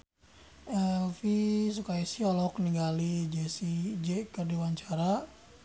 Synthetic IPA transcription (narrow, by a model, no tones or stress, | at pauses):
ɛlfisukaisiɔlɔkniŋɡalid͡ʒɛsid͡ʒɛkərdiwaɲt͡ʃaɾa